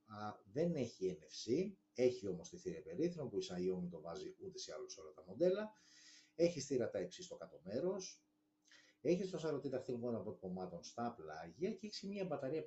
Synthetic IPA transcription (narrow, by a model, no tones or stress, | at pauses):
ɐðe̞ne̞çiene̞fsi | e̞çio̞mo̞st̪iθiɾepe̞ɾiθnopuisɐiomit̪o̞vɐziut̪e̞seɐloso̞lɐt̪ɐmo̞nd̪e̞lɐ | e̞çisθiɾɐt̪ɐeksist̪o̞kɐt̪o̞me̞ɾo̞s | e̞çist̪osɐɾo̞t̪it̪ɐxθilɣo̞nɐpot̪ko̞mɐt̪o̞nst̪ɐplɐʝɐceeçsimɲɐebɐt̪ɐɾiɐ